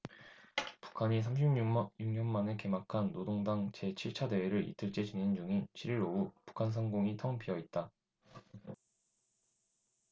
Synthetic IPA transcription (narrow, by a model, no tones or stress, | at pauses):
pu̥kʰaɲis̬ʰamɕʰimjuŋɲʌnmaneke̞makʰanːodoŋdaŋt͡ɕe̞t͡ɕʰiɭt͡ɕʰadeeɾɯɾḭtʰɯɭt͡ɕ͈e̞d͡ʑinind͡ʑuŋint͡ɕʰiɾiɾoupu̥kʰans̬ʰʌŋɡoŋitʰʌŋpʰiʌit̚t͈a